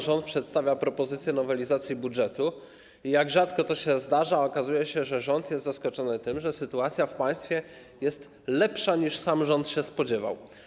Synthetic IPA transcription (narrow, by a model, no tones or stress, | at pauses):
ʐɔnt̪pʂɛt̪st̪avʲjapɾɔpɔzɘt̪sʲjɛnɔvɛlʲizat̪sʲjibudʐɛt̪u | ijaɡʐat̪kɔt̪ɔɕɛzd̪aʐaɔkazujɛɕɛʐɛʐɔnt̪jɛst̪zaskɔt͡ʂɔnɘt̪ɘmʐɛsɘt̪uat̪sʲjafpaj̃st̪fʲjɛ | jɛst̪ | lɛpʂaɲiʂsamʐɔnt̪ɕɛspɔd͡ʑɛva̰w